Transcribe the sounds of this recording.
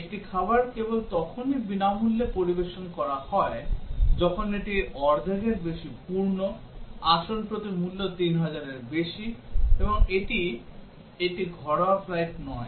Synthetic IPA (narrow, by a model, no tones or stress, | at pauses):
ekʈikʰabaɾkebolt̪ɔkʰonibinamulːepoɾibeʃonkɔɾahɔed͡ʑɔkʰoneʈiɔɾd̪ʱeɡeɾbeʃipuɾno | aʃonpɾot̪imulːot̪inɦad͡ʑaɾeɾbeʃieboŋeʈi | eʈiɡʱɔɾoafɾajʈnɔe